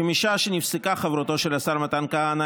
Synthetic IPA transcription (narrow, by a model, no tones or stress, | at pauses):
emiʃaʃenifsikaχavɾot̪o̞ʃelasaɾmat̪ankaana